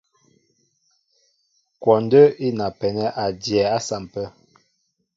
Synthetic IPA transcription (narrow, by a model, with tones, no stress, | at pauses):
kwɔ˨n˦də˦i˦na˨pɛ˨nɛ˦ʔa˨djɛ˨a˦sa˨m˨pə˦